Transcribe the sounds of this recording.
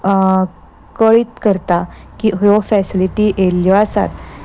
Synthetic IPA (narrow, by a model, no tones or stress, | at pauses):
kəɭiːt̪kəɾt̪akiɦjɔfɛsiliʈiʔeljɔasa̰t̪